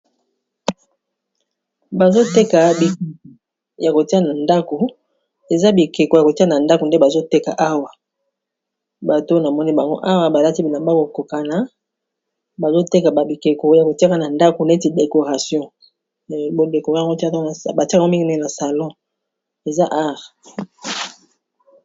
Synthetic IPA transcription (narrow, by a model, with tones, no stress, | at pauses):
ba˨zo˦te˦ka˨bi˨k | ja˨ko˨ti˦a˦na˨nda˦ko˨ | e˨za˦bi˨ke˨ko˨ja˨ko˨ti˦a˦na˨nda˦ko˨nde˦ba˨zo˦te˦ka̰˨ʔa˦wa˨ | ba˨to˦na˨mɔ˦ni˦ba˨ŋɡo̰˦ʔa˦wa˨ba˨la˦ti˦bi˨na˨ba˦ko˨ko˨ka˨na˨ | ba˨zo˦te˦ka˨ba˨bi˨ke˨ko˨ja˨ko˨ti˦a˦ka˦˨na˨nda˦ko˨na˨e˦ti˨de˨ko˨ʁa˨sjɔ̃˦˨ | bo˨de˨ko˨ʁo˦ti˦a˦a˦˨ba˨ti˦˨˦mi˦ŋɡi˦ne˦˨na˨sa˨lɔ̃˦ | e˨za˦ʔa˦ʁ